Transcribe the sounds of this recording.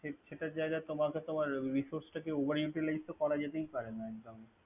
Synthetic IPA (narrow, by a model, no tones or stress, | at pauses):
eʃeʈad͡ʑaeɡat̪omaket̪omaɾɾisoɾsʈakeobʱəɾjuʈilajsʈ̪okɔɾad͡ʑet̪ejpaɾenaɛkd͡ʒome